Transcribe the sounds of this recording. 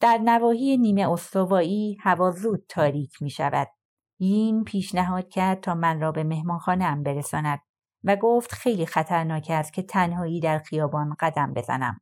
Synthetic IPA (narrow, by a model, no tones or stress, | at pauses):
d̪̥æɾnævɒːhiːjeniːme̞ost̪ovɒːiːhævɒːzuːd̪̥̚t̪ʰːɒːɾiːcʰmiːʃæ̰væ̰d̪̥̚ | jiːnpʰiːʃnæɦɒːd̪̥cʰæɾd̪̚t̪ʰɒːmænrɒːbe̞me̞hmɒːnxɒːneæmbe̞ɾesɒːnæd̪̥̚ | væɡoːft̪xe̞jliːxæt̪ʰæɾnɒːcʰæst̪̚cʰe̞t̪ʰænɦɒːiːd̪æɾxijɒːbɒːnɢ̥æd̪æmbe̞zæ̰næ̰m